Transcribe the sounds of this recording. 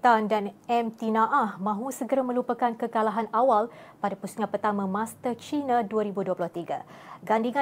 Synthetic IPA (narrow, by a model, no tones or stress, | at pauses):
t̪andanɛmt̪inãʔahmãɦusəɡəɾamə̃lupəkankəkalaɦanawalpadapusŋãpərt̪amə̃mãst̪ət͡ʃinãduaɾibuduəplɔht̪iɡa̰ɡandiŋã